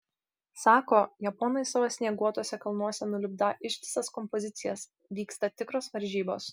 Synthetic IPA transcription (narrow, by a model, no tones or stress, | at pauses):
sɑːkoːjɛpɔːnɐɪsɐʋɐsʲnʲiɛɡuɔt̪oɔsʲɛkɐlˠnuɔsʲɛnʊlʲɪbd̪ɐʔɪʃʲtʲɪsɐskɔmpɔzʲɪt̪sʲɪjɛs | ʋʲiːkst̪ɐt̪ʲɪkɾoːsʋɐɾʲʒʲiːbo̰ːs